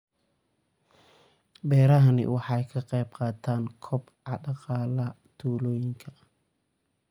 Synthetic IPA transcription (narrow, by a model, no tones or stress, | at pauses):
bɛːɾɐɦɐnɪ̰wɑħɑjkʰɐqɛjbqɑːt̪ʰaːnkʰɔbʕɑɖɑqɑːlɐ | t̪ʰuːlɔːjɪŋkʰɐ